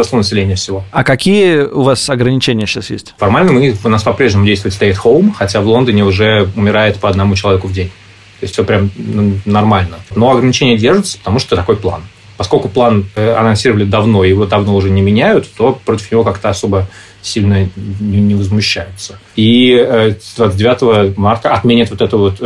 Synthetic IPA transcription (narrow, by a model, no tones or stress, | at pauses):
ɐslˠonəsʲɪlʲenʲɪjəfsʲɪvo̞ɐkɐkʲijəʊvasɐɡɾənʲɪt͡ɕenʲɪjəɕasjḛsʲtʲfɐrmalʲnəmɨpnaspɐpɾʲeʐnʲɪmʊdʲejst̪vʊɪtʲst̪ɐjit̪xolˠmxɐtʲavlˠo̞nd̪ənʲɪʊʐɛʊmʲɪɾajɪt̪pəɐd̪nɐmut͡ɕɪlˠɐvʲekʊvdʲenʲ | t̪o̞ɪsʲtʲfsʲopɾʲamnɐrmalʲnəno̞ɐɡɾənʲɪt͡ɕenʲɪjədʲerʐɨt̪sə̥pə̥t̪ɐmuʂt̪ot̪ɐko̞jplˠa̰n | pɐskolʲkʊplˠanəɐ̰nɐnsʲiɾəvəlʲɪd̪ɐvno̞ɪjɪvo̞d̪ɐvnoʊʐɛnʲɪmʲɪnʲæjʊt̪ːo̞pɾo̞tʲɪ̥fnʲɪvo̞kakt̪əɐso̞bə | sʲilʲnənʲɪnʲɪvəzmʊɕːæjʊt̪sə | iəd̪vat̪sɨdʲɪvʲat̪əvəmart̪əɐt̪mʲenʲɪt̪vo̞t̪ɛt̪ʊvo̞t̪